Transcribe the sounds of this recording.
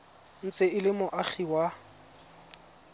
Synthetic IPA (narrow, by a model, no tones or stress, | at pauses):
n̩t͡sʼɪɪlɪmʊʔaχʰiwa